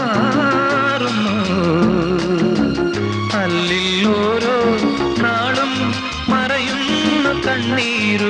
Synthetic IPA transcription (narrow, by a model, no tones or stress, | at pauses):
ɾumo | ɐlːilːoːɾoː | naːɭum | mɐɾɐjunːɐt̪ɐɳːiːɾu